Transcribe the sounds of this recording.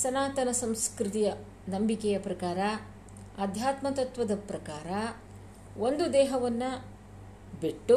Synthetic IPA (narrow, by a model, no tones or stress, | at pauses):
sɐnaːt̪ɐnɐsɐmskɾit̪ijɐ | nɐmbikɛjɐpɾɐkaːɾɐ | ɐd̪ʱjaːt̪mɐt̪ɐt̪ʋɐd̪ɐpɾɐkaːɾɐ | ʔond̪ud̪ɛːɦɐʋɐnːɐ | biʈːu